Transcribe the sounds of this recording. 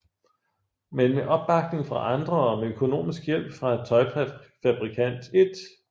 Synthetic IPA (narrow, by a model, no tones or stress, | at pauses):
menmeʔɒ̽b̥ːɑ̈ɡ̥̚ne̝ŋfʁɑ̈ʔɑ̈nd̥ʁɐɒ̽meøkʰo̝no̝̰ːmisɡ̥jel̰b̥fʁɑ̈et͡sʰɒ̽ɪbfæb̥ʁikʰæn̰d̥e̝d̥